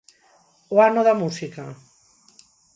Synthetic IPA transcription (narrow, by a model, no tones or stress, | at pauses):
oanoðamusika